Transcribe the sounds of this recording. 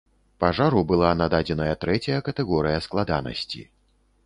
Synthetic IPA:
paʐaɾubɨlˠanad̪ad͡zʲɛnɐjɐt̪ɾɛt͡sʲɐjɐkɐt̪ɛɣɔɾɨjɐsklˠad̪anɐ̰sʲt͡sʲḭ

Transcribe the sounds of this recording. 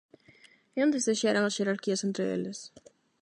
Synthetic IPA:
õnd̪ezðeʃaɾãŋɐsʃeɾaɾkiɐsent̪ɾɪḛlɪs

